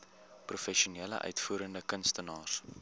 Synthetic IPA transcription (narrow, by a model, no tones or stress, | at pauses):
prufɛʃuniːlə̰ʔœ̰ɥtfuːɾəndəkənstənɑːrs